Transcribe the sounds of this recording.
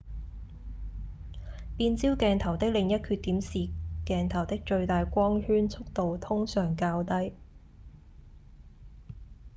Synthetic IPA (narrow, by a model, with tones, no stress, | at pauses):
piː˧nt͡siː˥wkɛː˧nt̪ʰɐ˨˩wt̪ɪ˥k̚lɪ˨ŋjɐ˥t̚kʰyː˧t̪iː˨˥msiː˨kɛː˧nt̪ʰɐ˨˩wt̪ɪ˥k̚t͡ʃɵ˧ɥt̪aː˨jkʷɔː˥ŋhyː˥nt͡sʰʊ˥k̚t̪o˨wt̪ʰʊ˥ŋsœː˨˩ŋkaː˧wt̪ɐ˥j